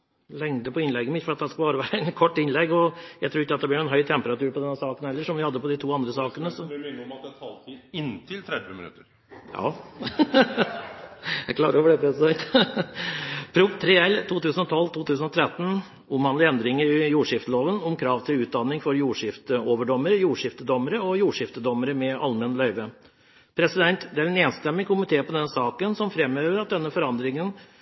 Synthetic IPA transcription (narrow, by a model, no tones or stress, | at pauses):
lɛŋd̪əpʰɔɪnlɛɡːəmɪt̪fɔɾɑt̪̚d̪ɛskɑlbɑːɾəʋæːɾəɛnkʰɔʈːɪnlɛɡːɔjæɪt̪ʰɾuːɾɪkːɑt̪d̪ɛb̪lɪɾɛnɦœʏt̪ʰɛmpəɾɑt̪ʉːɾpɔd̪ɛnːəsɑːkən̩hɛlːəʂɔmʋɪhɑd̪ːəpɔd̪ɪt̪ʰuːɑnd̪ɾəsɑːkənəsɔmɑt̪ɛt̪ʰɑlt̪ʰiɪnt̪ʰɪlt̪ʰɾɛd̪ʋəmɪ̰nʉ̰t̪əɾ | jɑ̰ː | jæɪkʰlɑ̰ːɾəoːʋəɖ̪ɛpʰɾɛsd̪ɛnt̪ | pʰɾʊɡt̪ʰɾɛɛlt̪ʰuːt̪ʉːsənɔt̪ʰɔlːt̪ʰuːt̪ʰʉːsənɔt̪ʰɾɛt̪ːn̩ | ʊmhɑnlɪɛnd̪ɾɪŋəɾɪjuːʂɪft̪əloːʋənɔmkʰɾɑːʋt̪ʰɪlʉːt̪̚d̪ɑnːɪŋfɔɾjuːʂɪft̪əoːʋəɖɔmːəɾəjuːʂɪft̪əd̪ɔməɾəɔjuːʂɪft̪əd̪ɔməɾəmɛʔɑ̰lmɛnlœʏʋə | pʰɾɛsɪd̪ɛnt̪d̪ɛæɾɛneːnst̪ɛmːɪkʰʊmɪt̪ʰeːpɔd̪ɛnəsɑːkənsɔmfɾɛmːøːʋəɾɑt̪̚d̪ɛnːəfɔɾɑnd̪ɾɪŋən